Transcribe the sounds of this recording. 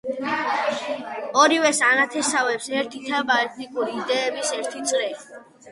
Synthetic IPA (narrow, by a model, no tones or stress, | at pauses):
ɔɾivɛsanat̪ʰɛsavɛpsɛɾt̪ʰit̪ʰabaɛt̪ʰt̪ʼikʼuɾiːd̪ɛːbisɛɾt̪ʰit̪sʼɾɛ